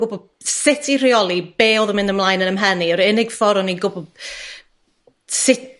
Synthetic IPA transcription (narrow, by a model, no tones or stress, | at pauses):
ɡʊbɔb | sɪtʰiriɔlˠib̥eːɔðəmɪ̃ndəmlˠaːjnənəmɦɛniɔɾɪnɪɡ̥fɔɾɔninɡʊbɔb̥̚ | sɪ